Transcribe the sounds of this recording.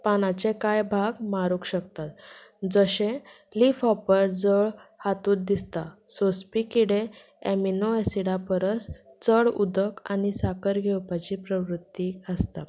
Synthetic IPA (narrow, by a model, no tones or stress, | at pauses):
pañat͡ɕẽkajbʱaɡmaɾukɕəkt̪at̪̚d͡zəɕẽ | lifɔpəɾd͡zəɭhat̪uːt̪̚d̪ist̪asospikiɽe | ɛminoɛsiɽapəɾət͡st͡səɭud̪əka̰ñisakəɾɡʱɛwpat͡ɕipɾəʋɾut̪ːiəst̪a